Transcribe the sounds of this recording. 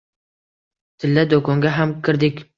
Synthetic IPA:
t̪ʰɪlːad̪okʰɒŋɡʲaɦamkʲʰɪɾd̪ɪkʲ

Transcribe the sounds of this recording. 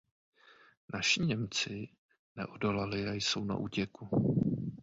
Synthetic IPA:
naʃɪɲɛmt͡sɪ | nɛʔodolalɪajso̞wna̰ʔuːcɛku

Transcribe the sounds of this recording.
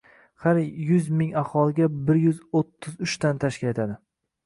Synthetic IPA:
haɾjʊzmɪŋahɒlˠɪɡʲabɪɾjʊzot̪ʰːɪzʊt͡ʃt̪ant̪ʰaʃkʲɪle̞t̪ʰad̪ɪ

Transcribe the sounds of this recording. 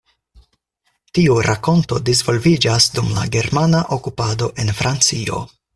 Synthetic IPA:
tiuɾʔako̞nto̞diz̬vo̞lvid͡ʒasdumla̰ɡe̞ɾmanaʔo̞kupado̞ʔe̞nfɾʔant͡sio̞̰

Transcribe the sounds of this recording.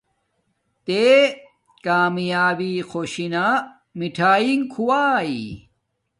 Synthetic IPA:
t̪e | kaːmjaːbixʰoːɕina | miʈʰaːiŋkʰuwaːi

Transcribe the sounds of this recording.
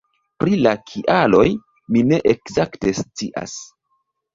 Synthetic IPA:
pɾilakʰiʔalo̞j | mine̞ʔekzakte̞st͡siʔa̰s

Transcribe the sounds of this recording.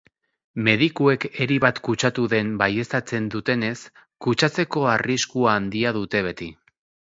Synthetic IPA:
me̞ð̞ikue̞ke̞ɾiβat̪kut͡ʃat̪uðe̞mbaje̞st̪at͡se̞nd̪ut̪e̞ne̞s | kut͡ʃat͡se̞ko̞ariskuaːnd̪iaðut̪e̞β̞e̞t̪i

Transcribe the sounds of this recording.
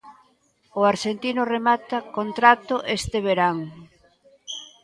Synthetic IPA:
ʊaɾʃent̪inʊremat̪akont̪ɾat̪oʔest̪eβeɾaŋ

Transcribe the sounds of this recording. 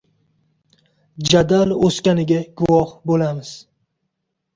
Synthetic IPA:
d͡ʒad̪aloskʲanɪɡʲaɡ̥ʊwɒhbolamɪz̥

